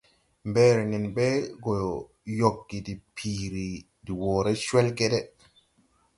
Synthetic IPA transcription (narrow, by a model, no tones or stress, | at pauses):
mbɛːɾɛnɛnbɛɡɔ | jokːidipʰiːɾi | diwɔːɾɛt͡ʃwɛlkɛdɛ